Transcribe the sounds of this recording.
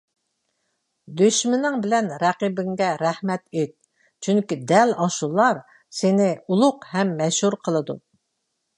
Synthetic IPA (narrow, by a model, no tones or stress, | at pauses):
d̪yʃmɪnɪŋbɪlɛnɾɛqibɪŋɡʲɛɾɛhmɛt̪et̪̚ | t͡ʃʰyŋkʲid̪ɛlɑʃulˠːɑɾ | sɪnɪulˠʊqhɛmːɛʃhuɾqʰəlˠəd̪ṵ